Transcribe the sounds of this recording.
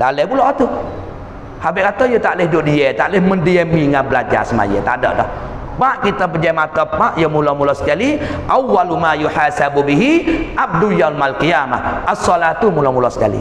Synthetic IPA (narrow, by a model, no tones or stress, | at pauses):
dalɛpulɔʔat̪u | habɪʔkat̪ajət̪aʔlɪhdoʔdiɛt̪aʔlɪhməndiɛmiŋanbəlad͡ʒa̰səma̰jə̰t̪a̰dɔ̰ʔdɔh | baʔkit̪abəd͡ʒamat̪əpaʔjəmulɔmulɔsə̥kali | ʔawːalumajuħaːsabubiɦiʔab̚dujalmalkijamahʔasːɔlat̪umulɔmulɔsə̥kalḭ